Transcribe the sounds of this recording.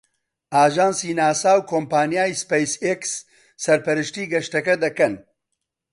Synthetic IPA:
ʔaːʒaːnsiːnaːsaːwkʰoːmpaːnijaːjispejseksː | ɐɾpɛɾɨʃt̪iːɡɛʃt̪ɐkɛd̪ɐkɛn

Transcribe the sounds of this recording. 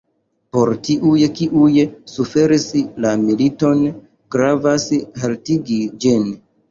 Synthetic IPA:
po̞ɾtiʔujkiʔujsufe̞ɾislamilito̞n | ɡɾavashaltiɡid͡ʒin

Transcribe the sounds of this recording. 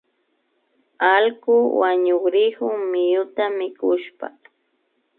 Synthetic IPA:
alkʊwaɲʊkɾɪhʊmɪjʊt̪amɪkʊʃpa̰

